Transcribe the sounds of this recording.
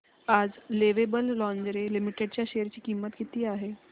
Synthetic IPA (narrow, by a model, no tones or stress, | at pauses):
aːd͡zleʋebəlːɔ̃ɲd͡ʑɾelimiʈeɖ̚t͡ɕjaʃeəɾt͡ɕiːkimət̪kit̪iːaɦe